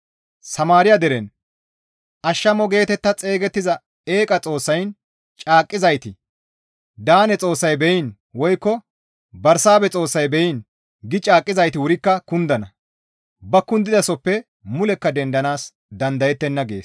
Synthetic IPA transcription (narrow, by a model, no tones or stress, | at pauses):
sɐmaːɾɪjɐd̪ɛɾɛn | ʔɐʃːɐmɔɡe̞ːt̪ɛt̪ːɐt͡sʼe̞ːɡɛt̪ːɪzɐ | e̞ːkʼɐt͡sʼo̞ːsːɐjn | t͡ʃʼaːkʼːɪzɐjt̪ɪ | d̪aːnɛt͡sʼo̞ːsːɐjbɛjɪn | wɔjkːɔ | bɐɾsaːbɛt͡sʼo̞ːsːɐjbɛjin | ɡɪt͡ʃʼaːkʼːɪzɐjt̪ɪwʊɾɪkːɐkʊnd̪ɐnɐ | bɐkːʊnd̪ɪd̪ɐsɔpːɛ | mʊlɛkːɐd̪ɛnd̪ɐnaːs | d̪ɐnd̪ɐjɛt̪ːɛnːɐɡe̞ːs